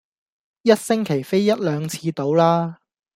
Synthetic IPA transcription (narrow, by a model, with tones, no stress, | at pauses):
jɐ˥t̚sɪ˥ŋkʰe˨˩jfe˥jjɐ˥t̚lœː˨˧ŋt͡sʰiː˨˧t̪o˨˥wlaː˥